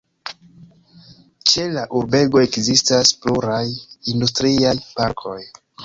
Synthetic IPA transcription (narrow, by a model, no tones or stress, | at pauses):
t͡ʃe̞laʔuɾbe̞ɡo̞e̞kzistaspluɾajindustɾiajpaɾkʰo̞j